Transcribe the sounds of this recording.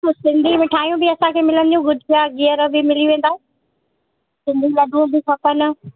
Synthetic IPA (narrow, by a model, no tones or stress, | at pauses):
tosɪ̃nd̪ʱimɪ̃ʈʰaːjũbɪɐsãkʰeːmɪlənɪ̆d͡ʑũɡʊdʱɪpʰjaɡiəɾbɪmɪliʋẽːnd̪aːɦẽ | sɪ̃nd̪ʱilɐɖʱũbʱɪkʰɐpənʊ̆